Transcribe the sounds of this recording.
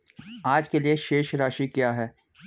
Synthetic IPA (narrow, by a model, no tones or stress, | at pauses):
aːd͡ʒkelieʃeːʃɾaːʃikjaːɦɛː